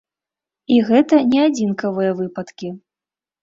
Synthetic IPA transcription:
iɣɛt̪ɐnʲɛad͡zʲinkɐvɨjɐvɨpɐt̪kʲi

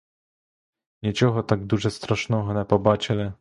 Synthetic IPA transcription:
ɲɛt͡ɕɔxɔt̪aɡd̪uʐɛst̪ɾaʂnɔ̃w̃ɦɔnɛpɔbat͡ɕɛlɛ

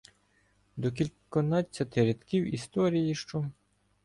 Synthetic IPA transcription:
d̪ɔk̬ʲilʲkɔnɑt͡sʲːɐt̪ɪɾʲet̪kʲiwist̪ɔɾʲijiʃt͡ʃɔ

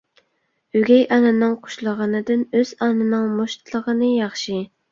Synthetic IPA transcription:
yɡʲɛjʔɑnɨnɨŋqʰo̥ʃlˠəʁɑnɨd̪ɪnøz̥ɑnɨnɨŋmoʃt̪ʰlˠəʁənɨjɑχʃi

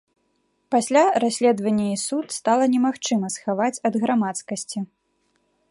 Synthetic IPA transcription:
pasʲlʲaɾasʲlʲɛd̪vɐnʲːɐisut̪st̪alˠɐnʲɛmaxt͡ʂɨmɐsxavat͡sʲɐd̪ɣɾamat̪skɐsʲt͡sʲi

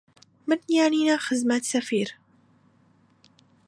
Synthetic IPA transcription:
mɪnjaʕniːnaxɪzmat̪safiːɾ

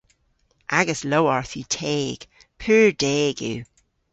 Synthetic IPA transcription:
ʔaɡəslowaɹθʉtʰɛːɡ̥ | pʰʉːɹdɛːɡʉ̰ː

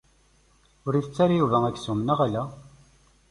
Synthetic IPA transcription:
ʊɾiθət͡sːaɾajuvæækːsumənəʁalæ

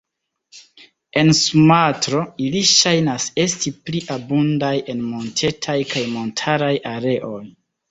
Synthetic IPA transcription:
e̞nsumatɾo̞iliʃajnase̞stipliʔabundaje̞nmo̞ntʰe̞tʰajkajmo̞ntʰaɾajaɾe̞ʔo̞j

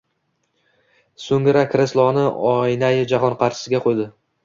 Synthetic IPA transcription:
soŋɪɾakʰɾɪslˠɒnɪɒɪnajɪd͡ʒaɦɒnqʰɑɾʃɪ̥sɪɡʲaqʰojd̪ɪ

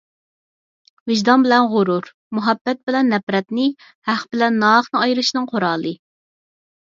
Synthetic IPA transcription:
vɪʒd̪ɑnbɪlɛnʁʊɾuɾ | muɦɛbːɛt̪̚bɪlɛnːɛpɾɛt̪nɪ | hæχbɪlɛnːɑχnɨɑjɾɨʃnɨŋqʰoɾɑːlˠɨ

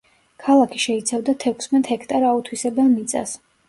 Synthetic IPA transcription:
kʰalˠakʰi̥ʃɛit̪sʰavd̪at̪ʰɛkʰʊ̥smɛt̪hɛkʰt̪ʼaɾaut̪ʰwisɛbɛlˠmit̪sʼa̰s

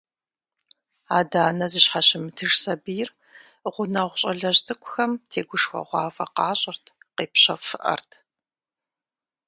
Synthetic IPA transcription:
aːdaːnɐzɨɕχɑɕɪmɨtʰɨʂsɐbijr | ʁʷʊnɐʁʷʊɕʼɐɮɐʑt͡sʼɨkʷʰʼʊxɐmtʰeːɡʷʊʂxʷɐ̰ʁʷɑːfʼɐqɑːɕʼɪrtʰqeːpɕɐfɨʔɐ̰rtʰ

